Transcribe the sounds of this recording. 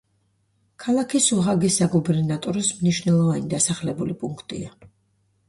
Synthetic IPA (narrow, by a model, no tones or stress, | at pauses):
kʰalˠakʰisuɦaɡisaɡubɛɾnat̪ʼɔɾɔsmniʃvnɛlˠɔvanid̪asaχlɛbulipʼuŋkʰt̪ʼḭa